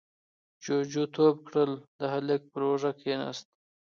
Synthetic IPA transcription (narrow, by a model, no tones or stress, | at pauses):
d͡ʒod͡ʒut̪ʰob̚kɽəld̪əhalek̚pəɾoʐakʰena̰st̪̚